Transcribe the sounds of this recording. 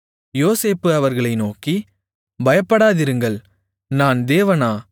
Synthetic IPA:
joːseːpːɯɐʋɐɾɣɐɭɐɪnoːki | bɐjɐpːɐɽaːðɪɾɯŋɡɐɭ | naːnd̪eːʋɐnaː

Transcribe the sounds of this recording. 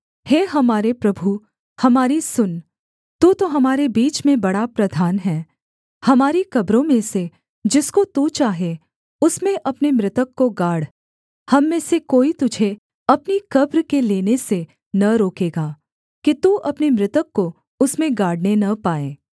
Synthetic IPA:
heːɦɐmaːɾepɾɐbʱu | hɐmaːɾisʊn | t̪uːt̪oɦɐmaːɾebiːt͡ʃmẽbɐɽapɾɐd̪ʱaːnɦɛ̃ː | hɐmaːɾikɐbɾõmẽse | d͡ʒɪskot̪uːt͡ʃaːɦe | ʊsmẽʔɐpnemɾɪt̪əkːoɡaːɽ | hɐmːẽsekoːit̪ʊd͡ʒʱe | ɐpnikɐbɾkeleːnese | nɐɾoːkeːɡaː | kit̪uːʔɐpnemɾɪt̪əkːo | ʊsmẽɡaːɽnenɐpaːeː

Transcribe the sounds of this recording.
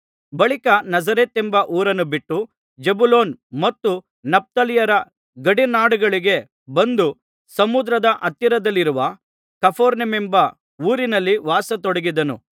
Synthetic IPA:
bɐɭikɐnɐd͡ʒɐɾet̪embɐʔuːɾɐnːubiʈːu | d͡ʒebulo̞ːnmɐt̪ːu | nɐp̚t̪ɐlijɐɾɐ | ɡɐɽinaːɽuɡɐɭiɡe̞ | bɐnd̪u | sɐmud̪ɾɐd̪ɐʔɐt̪ːjɐɾɐd̪ɐlːiɾuʋɐ | kɐpʰoːɾnemembɐ | uːɾinɐlːiʋaːsɐt̪ɔɽɐɡid̪ɐnṵ

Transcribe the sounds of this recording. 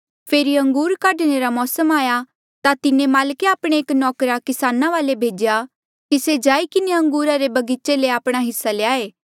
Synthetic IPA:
pʰeːɾiɐ̃ŋɡuːɾkaɖɽ̃eɾamɔːsəmaːja | t̪at̪ɪnẽmaːlkeaːpɽ̃eeːknɔːkɾakɪsaːnaʋaːlebʱeːd͡ʒja | kised͡ʒaːikɪneɐ̃ŋɡuːɾaɾebɐɡiːt͡ʃeleaːpɽ̃aɦɪsːaleaːeː

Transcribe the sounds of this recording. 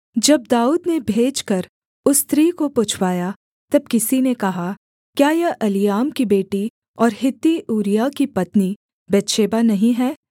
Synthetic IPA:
d͡ʒɐb̚d̪aːuːd̪nebʱeːd͡ʒkɐɾ | ʊst̪ɾiːkopʊt͡ʃʰwaːja | t̪ɐb̚kɪsinekɐɦa | kjaːjɛʔɐlijaːmkibeːʈi | ɔːɾɦɪt̪ːiʔuːɾijakipɐt̪ni | bɛt̪ʃeːbanɐɦĩɦɛː

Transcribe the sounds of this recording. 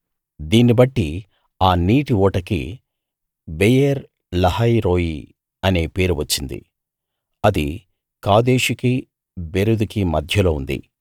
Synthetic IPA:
d̪iːnibɐʈːi | aːniːʈiɔːʈɐkḭ | bejeɾ | lɐhɐjɾoːji | ɐne̞ːpe̞ːɾuʋɐt͡ʃːind̪ḭ | ɐd̪i | kaːd̪eːʃiki | beɾud̪ukimɐd̪ʱjɐlo̞ːund̪ḭ

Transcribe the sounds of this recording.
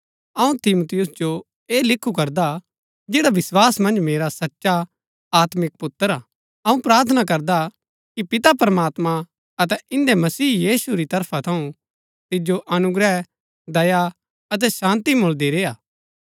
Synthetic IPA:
ɐũt̪ɪmut̪ɪjʊsd͡ʒo | eːlɪkʰːukɐɾd̪a | d͡ʒeːɽaʋɪswaːsmɐ̃nd͡ʒmeːɾasɐtːʃa | aːt̪mɪk̚pʊt̪ːəɾaː | ɐũpɾaːɾt̪ʰənak̬ɐɾd̪a | kipɪt̪apɐɾɐmaːt̪mã | ɐt̪ɛɪ̃nd̪emɐsiːjiːsuɾit̪ɐɾpʰat̪ʰɐũ | t̪ɪd͡ʒoʔɐnʊɡɾɛ | d̪ɐja | ɐt̪ɛsãːnt̪imʊld̪iɾeːaː

